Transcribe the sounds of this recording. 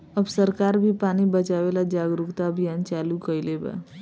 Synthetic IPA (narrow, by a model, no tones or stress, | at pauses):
əbsəɾkaɾbʱipanibət͡ʃaʋelad͡ʒaɡɾukt̪aəbʱijant͡ʃalukəjleba̰